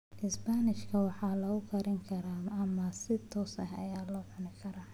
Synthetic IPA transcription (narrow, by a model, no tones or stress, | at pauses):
ʔɪsbanɪʃkʰɐwɑħɑːlɐɣʊkʰɐɾɪŋkʰɐɾaɐmɐsɪt̪ʰɔːsɐ̰hɐ̰jaːlɔːħʊnɪkʰɐɾaː